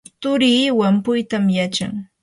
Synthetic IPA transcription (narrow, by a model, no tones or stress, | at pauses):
t̪ʊɾiːwampʊjt̪amjat͡ʃa̰ŋ